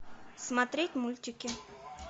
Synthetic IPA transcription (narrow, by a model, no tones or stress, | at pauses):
smat̪ɾʲetʲmulʲt̪ʲɪkʲɪ